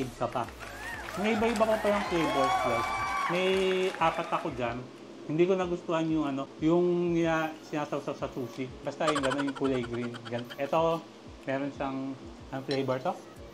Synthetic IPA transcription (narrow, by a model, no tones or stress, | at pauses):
ʔɪd̚kɐpa | mɛʔɪbaʔɪbapɐpaɾɐŋflejbɛɹslomɐjʔaːpɐt̪ɐko̞d͡ʒan | hɪnd̪iːkonɐɡʊst̪ʊhanjʊŋɐno̞jʊŋɪasɪnaːsɐwsɐwsɐsuːsɪbɐst̪ajʊŋɡɐno̞njʊŋkʊlɛjɡɾinɡɐnʔɛt̪o̞ | mɛːɾonʃaŋ | ɐnoflejbɛɹt̪o